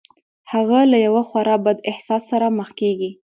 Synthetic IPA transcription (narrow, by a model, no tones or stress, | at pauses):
haɣalajawaxwaɾɑbad̪ɪhsɑsːaɾaməxkeɡi